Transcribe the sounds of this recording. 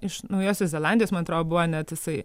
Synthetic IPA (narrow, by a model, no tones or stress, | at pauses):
ɪʃnɐʊjoːsʲosʲzʲɛlˠɑndʲijosmɐnɐt̪ɾoːd̪ʲobuʋɐnʲɛt̪jɪsɐɪ